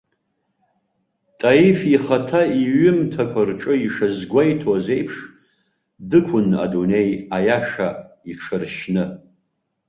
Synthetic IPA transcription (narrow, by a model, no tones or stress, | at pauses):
tʼaifiχatʰaiɥʏmtʰakʷʰarʈ͡ʂʼɨiʂazɡʷajtʰwaze̞jpʰʂ | dɨkʷʰʊna̰dune̞jajaʂa | iʈ͡ʂʰɨrʃnɨ